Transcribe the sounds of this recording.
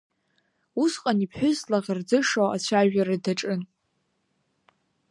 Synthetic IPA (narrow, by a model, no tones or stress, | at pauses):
usqʼanipʰħᶣʊzlaʁɪrd͡zɨʂowat͡ɕʷʰaʒᶣaɾadaʈ͡ʂʼɨn